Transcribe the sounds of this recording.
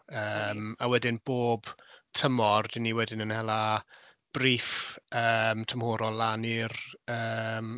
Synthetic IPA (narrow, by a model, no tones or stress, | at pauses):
əːmawɛdɪnb̥oːb̥tʰəmɔrdiniwɛdɪnənhɛlˠa | b̥riːfəːmtʰəmhoːɾɔlːanirəm